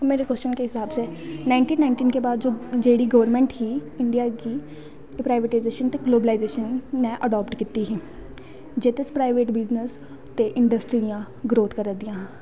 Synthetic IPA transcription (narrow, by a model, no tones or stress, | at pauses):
meːɾekəst͡ʃənkeːɦɪsaːbsɛːnaːɪɳʈiːnaɪɳʈiːnkeːbaːd̪d͡ʒoːd͡ʒeːɽiːɡəʋəɾmɛ̃ːɳʈhiːɪɳɖijaːkiː | pɾaːɪʋeʈaɪzeːʃənt̪eːɡloːbəlaːɪzeːʃənːɛːʔəɖɔːpʈkiːt̪ːiːɦiː | d͡ʒeːt̪ɪspɾaːɪʋeːʈbɪznəs | t̪eːʔɪɳɖəsʈɾijãː | ɡɾoːt̪kəɾəd̪ĩjãːɦː